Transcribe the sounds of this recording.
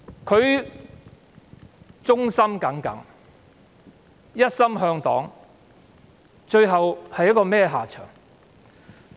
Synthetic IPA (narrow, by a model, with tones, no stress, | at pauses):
kʰɵ˨˧ɥ | t͡sʊ˥ŋsɐ˥mkɐ˨˥ŋkɐ̰˨˥ŋ | jɐ˥t̚sɐ˥mɦœː˧ŋt̪ɔː˨˥ŋ | t͡ʃɵ˧ɥɦɐ˨whɐ˨jːɐ˥kːɔː˧mɛː˥ɦaː˨˩t͡ʃʰœ̰ː˨˩ŋ